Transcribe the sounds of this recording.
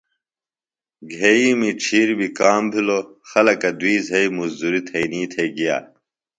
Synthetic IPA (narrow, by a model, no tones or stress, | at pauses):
ɡʱeimiʈ͡ʂʰiːɾbikaːmbʱiloxɐlɐkɐd̪wiːzʱɐimuzd̪uɾit̪ʰɐiniːt̪ʰeiɡija̰ː